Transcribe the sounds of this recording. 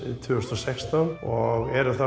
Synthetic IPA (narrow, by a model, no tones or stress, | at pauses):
t̪ʰvʏʏst̪ɾɔsɛkst̪anɔɣɛɾʏθa